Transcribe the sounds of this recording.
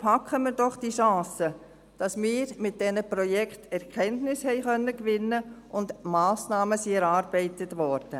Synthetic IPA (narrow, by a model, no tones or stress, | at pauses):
pʰɑkχəmɪːɾdɔχd̥iʃɑ̃ːsə | d̥ɑsmɪːɾmɪt̚d̥ɛnəpɾɔjɛkχtɛɾkʰɛntnɪshɛɪχœnːəkʋɪnːəʔʊndmaːsnɑːməsiɛɾɑːɾb̥ɛɪtətʋɔːɾd̥ə